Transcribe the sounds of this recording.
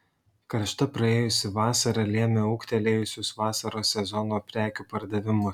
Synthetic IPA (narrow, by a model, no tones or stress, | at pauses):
kɐɾʃt̪ɐpɾɐeːjʊsʲɪʋɑːsɐɾɐlʲiɛmʲeuːkt̪ʲɛlʲeːjʊsʲʊsʋɑːsɐɾoːsʲɛzɔnoːpʲɾʲæːkʲuːpɐɾd̪ɐʋʲɪmʊ